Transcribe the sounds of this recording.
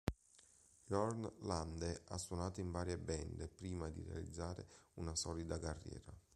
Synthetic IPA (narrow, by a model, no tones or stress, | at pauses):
jɔɾnland̪ea̰sːwonaːt̪oiɱvaːɾjebɛnd̪epɾiːmad̪ḭrḛa̰lḭd̪zːaːɾḛunasɔːlid̪akarːjɛ̰ːɾa